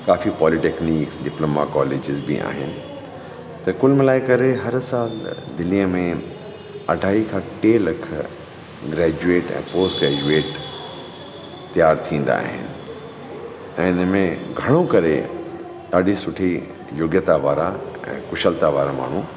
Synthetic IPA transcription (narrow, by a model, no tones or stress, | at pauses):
kaːfipɔːliʈeːkniːksɖɪploːma̰kɔːleːd͡ʑɪzbḭʔa̰ːɦɪnɪ̆ | t̪ɐkʊlməlaːɪkɐɾeɦɐɾsaːld̪ɪliəmẽ | ɐɖʱaːikʰãʈeːlɐkʰ | ɡɾɛːd͡ʑueːʈɛ̰̃ːpoːsʈɡɾɛːd͡ʑueːʈ | t̪ijaːɾt̪ʰĩːn̆d̪a̰ːɦɪ̰nɪ̆ | ɛ̃ːɪnəmẽɡʱɐɽ̃okɐɾe | d̪aːɗisʊʈʰi | joːɡjət̪aʋaːɾaɛ̰̃ːkʊʃəlt̪aʋaːɾama̰ːɳ̤u